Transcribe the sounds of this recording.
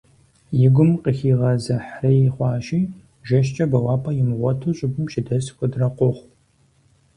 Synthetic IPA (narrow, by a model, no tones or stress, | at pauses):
jɪɡʷʊmqəxiːʁɐzɐħrɐjɪχʷɑːʃiː | ʒɐʃ̬t͡ʃʼɐbɐwɑːpʰʼɐjɪmʁʷɔtʰuːɕʼɪbʊmʃɪdɐsxʷʼʊdrɐqʷʊχʷ